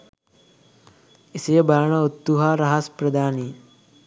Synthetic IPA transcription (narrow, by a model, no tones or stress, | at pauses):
isijɐbɐɾɐɳɐut̪ːuɦaɾɐɦɐspɾɐd̪aːni